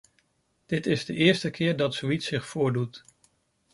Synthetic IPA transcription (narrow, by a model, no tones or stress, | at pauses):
d̥ɪtɪzdəʔɪːɹstəkʰɪːɹdɑtsoitsɪχfʊːɹdut